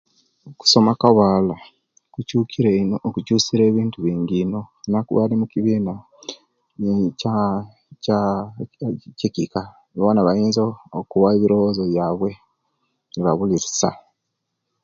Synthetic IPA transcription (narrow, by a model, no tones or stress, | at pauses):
oku̥so̞makawaːla | kucuːkʰiɾenokucuːsiɾe̞ːβiːntuβiːŋɡino̞nakṵβalimukiβiːna | ca | a | cekika | ββonaβajiːnzoːkuwaeβiɾo̞wozo̞βjaːβwe̞ | niβaβuliɾisa̰